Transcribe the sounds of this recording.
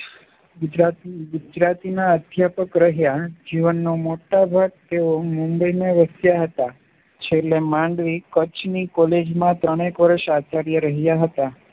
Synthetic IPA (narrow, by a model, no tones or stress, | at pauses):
ɡʊd͡ʒɾat̪iɡʊd͡ʒɾat̪inaəd̪ʱjapəkɾəɦjad͡ʒiʋənːomoʈabʱaɡ̚t̪eomumbəineʋəsjaɦət̪a | t͡ʃʰelemãɳɖʋikət͡ʃnikɔled͡ʒmãt̪ɾəɽ̃ekʋəɾəʃat͡ʃaɾjəɾəɦjaɦət̪a